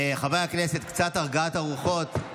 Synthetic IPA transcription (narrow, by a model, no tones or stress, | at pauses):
χavajakne̞set̪kt͡sat̪aʁɡaat̪aʁuχo̞t̪